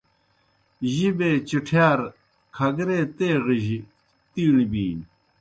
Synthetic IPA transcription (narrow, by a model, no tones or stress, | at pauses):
ʑibeːt͡ɕiʈʰjaːɾ | kʰɐɡɾeːt̪eːʁiʑi | t̪iːɳibiːn